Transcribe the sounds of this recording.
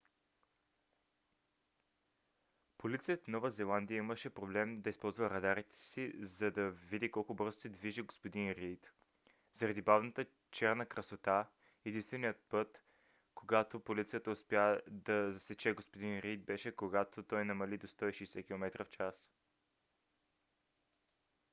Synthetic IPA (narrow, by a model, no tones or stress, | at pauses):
polit̪sijət̪nɔvəzɛlˠand̪ijəiməʃɛpɾoblɛmd̪ɐispɔlˠzvəɾɐd̪aɾit̪ɛ̥sizɐd̪ɐvid̪ikɔlˠkʊbɤɾzosɛd̪viʒiɡospod̪inɾijt̪ | zɐɾɐd̪ibavnət̪ə | t͡ʃɛɾnəkɾəsot̪a | ɛd̪inst̪vɛnijət̪̚pɤt̪ | koɡat̪opolit̪sijət̪əʊspʲjad̪ɐzɐsɛt͡ʃɛɡospod̪inɾijt̪̚bɛʃɛkoɡat̪ot̪ɔjnɐmɐlid̪ost̪ɔiʃɛjsɛkʲilˠomɛt̪ɾəft͡ʃas